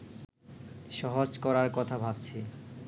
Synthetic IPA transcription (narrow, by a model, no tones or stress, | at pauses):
ʃɔɦod͡ʑkɔɾaɾkɔt̪ʰabʱabt͡ɕʰi